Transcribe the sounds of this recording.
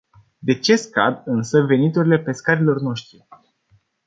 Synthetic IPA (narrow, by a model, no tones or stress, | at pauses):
d̪e̞t͡ʃe̞ska̰d̪ɨnsəve̞nit̪uɾile̞pe̞skaɾilo̞rno̞ʃt̪ɾi